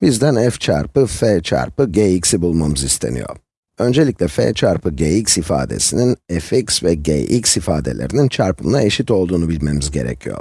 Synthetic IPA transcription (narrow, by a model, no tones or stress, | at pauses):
bizd̪ænɛft͡ʃʰa̰ɾpɯfeːt͡ʃʰa̰ɾpɯɟejicsibulˠmamɯzist̪ʰe̞̰nḭjo̞̰ɾ | ø̞nd͡ʒe̞lʲicʲlʲɛfḛːt͡ʃʰaɾpʰɯɟejicsifa̰ːd̪e̞̰sininɛficsvɛɟḛjʔicsifaːd̪e̞̰lʲe̞ɾinint͡ʃʰaɾpʰɯmnˠae̞ʃit̪o̞lˠd̪uːnubilʲme̞mizɟe̞̰ɾɛ̰cʰijo̰ɾ